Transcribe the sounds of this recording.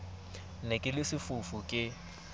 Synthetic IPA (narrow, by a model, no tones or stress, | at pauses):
nekʼɪlɪsɪfʊfʊkʼɪ